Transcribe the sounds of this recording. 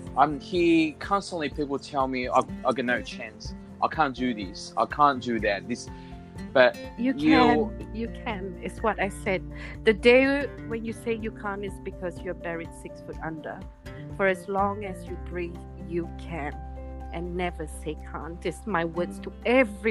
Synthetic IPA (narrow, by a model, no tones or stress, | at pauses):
ʔãɪ̃mhikʰɑ̃nstə̃nʔlipʰipl̩ˠtʰɛlˠmia̰ɪaɪɡʌnoʊt͡ʃʰæ̃ns | ʔaɪkʰæ̃nd̥ɨðɪsaɪkʰæ̃nd̥ɨðæt̚ðɪs | b̥ʌt̚jɨkʰjɨkʰɛ̃nɪtswɔɾaɪsɛd̚ðɨdeɪwɛ̃njɨseɪjɨkʰãnɪsbɨkʰɔzjuəbɛɹidsɪksfutʌ̃ndə̰ | fəɹɨzlɔ̃ŋɨzjɨbɹif | jɨkʰæ̃n | ʔɨ̃nːɛvəseɪkʰã̰nɪsmaɪwɜdstʰəɛvɹi